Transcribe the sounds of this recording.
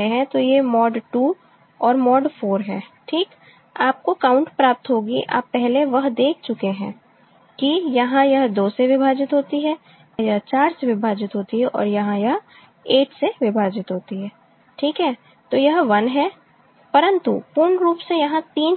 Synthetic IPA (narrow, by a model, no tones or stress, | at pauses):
eɦɛ̃t̪ojemɔːɖʈuː | ɔːɾmɔːɖfʰoːɾɦɛːʈʰiːk | aːp̚kokaːʊ̃ɳʈpɾaːp̚t̪ɦoːɡiʔa̰ːpːɛɦleʋɐɦd̪eːkʰt͡ʃʊkeɦɛ̰̃ | kijɐɦãjɐɦd̪oːseʋɪbʱaːd͡ʒɪt̪ɦoːt̪iɦɛː | jɐɦt͡ʃaːɾseʋɪbʱaːd͡ʒɪt̪ɦoːt̪iɦɛʔɔ̰ːɾjɐɦãjɐɦ | eːʈseʋɪbʱaːd͡ʒɪt̪ɦoːt̪iɦɛː | ʈʰiːkɦɛː | t̪oːjɐɦʋɐnɦɛː | pɐɾə̃nt̪upuɾnɾuːpsejɐɦãt̪iːn